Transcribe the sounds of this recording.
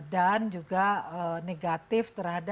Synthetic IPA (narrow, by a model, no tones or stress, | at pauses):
dand͡ʒuɡaəneɡat̪ɪft̪ərhad